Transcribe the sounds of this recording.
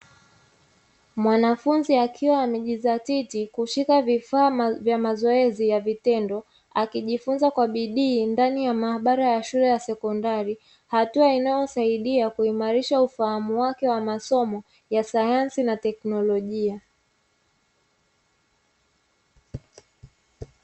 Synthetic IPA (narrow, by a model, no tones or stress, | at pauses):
mwanafunziakʰiwaːmɛʄizatitikuʃikavifaːvjamazɔɛzijavitɛndɔ | akiʄifunzakwaɓiɗiːndanijamaaɓaɾajaʃulɛjasɛkɔndaɾi | hatuainajɔsaiɗiakuimaɾiʃaufahamuwakɛwamasɔmɔ | jasajansinatɛknɔlɔʄia